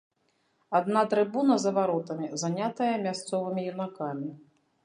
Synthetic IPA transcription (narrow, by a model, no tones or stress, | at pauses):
ad̪nat̪ɾɨbunɐzɐvaɾɔt̪ɐmʲizanʲat̪ɐjɐmʲast̪sɔvɨmʲijunakamʲi